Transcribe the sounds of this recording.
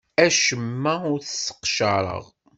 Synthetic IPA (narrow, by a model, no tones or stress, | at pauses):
æʃəmːæʊɾθəsːə̥qʃəɾˤə̰ʁ